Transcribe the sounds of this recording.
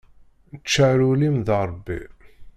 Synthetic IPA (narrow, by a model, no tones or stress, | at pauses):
t͡ʃːaɾulimðɾˤbːḭ